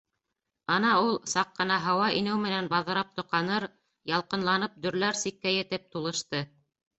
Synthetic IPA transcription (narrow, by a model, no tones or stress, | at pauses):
ɑnɑulˠsɑqːɤ̆nɑɦɑwɑʔinɘwmɘ̆nænbɑðɤ̆ɾɑp̚t̪ŏqɑnɤɾ | jɑlˠqɤ̆nlˠɑnɤp̚d̪ɵ̆ɾlæɾsikːæjɘ̆t̪ɘp̚t̪ulˠɤ̆ʃt̪ɤ